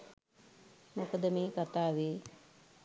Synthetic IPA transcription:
mokəd̪əmeːkat̪aːʋeː

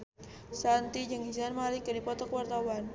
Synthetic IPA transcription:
sant̪id͡ʒəŋizanmalɪkadipɔt̪ɔkəwart̪awan

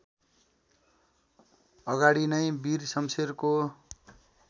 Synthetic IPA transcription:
ʌɡaɽinʌj̃biɾsʌmseɾko

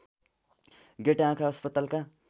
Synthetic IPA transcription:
ɡeʈaãkʰaʌspʌt̪alka

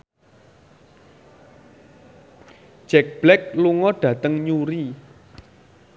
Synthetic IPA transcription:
d͡ʒ̥ɛk̚b̥lɛk̚luŋɔɖ̥ä̤t̪əŋɲuɾi

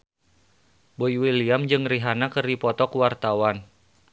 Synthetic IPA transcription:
boiwiliamd͡ʒɨŋriɦanakɨrdipɔt̪ɔkuwart̪awan

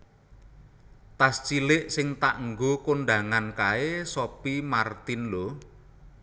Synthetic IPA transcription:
t̪ast͡ʃilɪʔsɪŋt̪aʔŋɡokonɖaŋankaesopimart̪ɪnlo

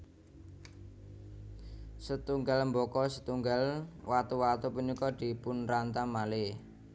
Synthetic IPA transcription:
sət̪uŋɡalmbokɔsə̥t̪uŋɡalwat̪uwat̪upunikɔd̪̥ipunrant̪amale

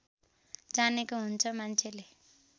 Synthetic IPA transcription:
d͡zanekoɦunt͡sʰʌmant͡sʰele

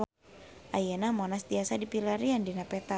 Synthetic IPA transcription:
ʔajanamanast̪iasadipilaɾiandinapɛt̪a

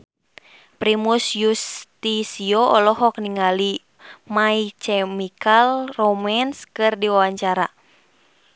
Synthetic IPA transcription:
pɾimusjust̪isioʔɔlɔhɔk̚niŋali | mait͡ʃɛmikalromanskɨrdiwawaɲt͡ʃaɾa

